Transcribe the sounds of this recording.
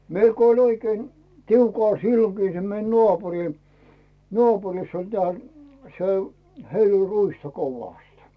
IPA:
meil ko olʲ oikein tiukɑˑl silːokiː se mei nŏɑˑpuri nŏɑˑpurisː olʲ teæˑ se heil olʲ ruistɑ koʋɑˑst

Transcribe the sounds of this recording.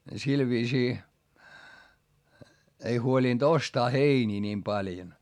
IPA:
sil ʋiːsiː ei huoliˑnd̥ ostɑː heiniː niːm pɑljon

